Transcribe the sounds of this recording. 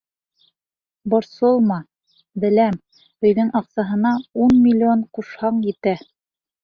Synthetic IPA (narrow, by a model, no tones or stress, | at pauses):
bŏɾsolˠmɑ | bɘ̆læm | ɵ̆jðɵŋʔɑqsɑɦɤ̆nɑunmʲilʲːionquʃhɑɴjɘ̆t̪æ